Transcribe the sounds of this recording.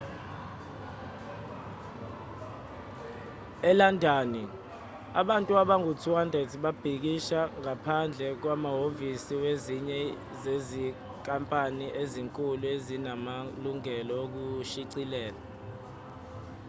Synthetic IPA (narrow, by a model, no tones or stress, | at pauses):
ɛlandʱaːni | aɓantʼuaɓaŋutʰuwandʱetʰɓab̥ʱik̬iʃaŋapʰand͡ɮʱɛk̬wamaɦovisiweziɲɛ | zezi | kʼampʼaniʔeziŋkʼuluezinamaluŋɛlɔok̬uʃiǀilɛːla